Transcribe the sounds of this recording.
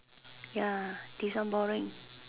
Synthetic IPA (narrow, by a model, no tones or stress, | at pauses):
jad̪̥isambɔɾɪŋ